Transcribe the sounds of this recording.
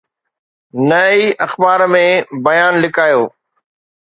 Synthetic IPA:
nɐiʔɐxbaːɾmẽbɐjaːnlɪkaːjoː

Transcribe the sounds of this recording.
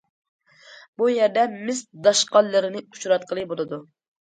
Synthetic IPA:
bujɛɾd̪ɛmɪsd̪ɑʃqɑlːɨɾɪnɪu̥ʃɾɑt̪̚qʰəlˠɨbolˠɨd̪u

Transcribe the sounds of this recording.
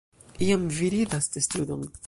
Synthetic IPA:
iamviɾid̪ast̪est̪ud̪om

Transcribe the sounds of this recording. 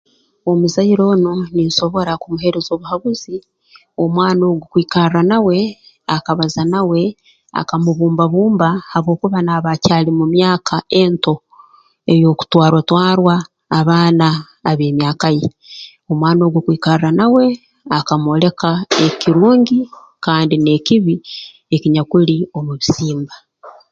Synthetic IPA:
o̞muzaiɾo̞ːnuninʃo̞βo̞ɾakumuɦe̞ɾezo̞βuhaβuzi | o̞mwaːno̞ːɡukwiːkaɾrranawe̞ | akaβazanawe̞ | a̰kamuβuːmbaβuːmbahaβwo̞ːkuβanaβacaːlimumjaːkʰae̞nto̞ | e̞jo̞ku̥twaːɾotwaːɾwaː | βaːnaː | βeːmjaːkaje | o̞mwaːno̞ɡokwiːkaɾiranawe̞ | akamo̞le̞kaekiɾuːɲɟi | kaːndine̞kiβi | e̞kiɲakulio̞muβisiːmba

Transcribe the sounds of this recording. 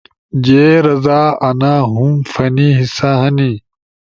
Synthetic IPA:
d͡ʑeːɾɐzaːɐnaɦumfɐniɦisaɦɐni

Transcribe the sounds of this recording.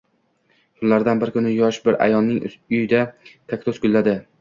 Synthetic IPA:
kʰʊllːaɾd̪anbɪɾkʰʊnɪjɒʃbɪɾa̰jɒnːɪŋʊjɪd̪at̪ʰakʲt̪osɡʲʊlːad̪ɪ

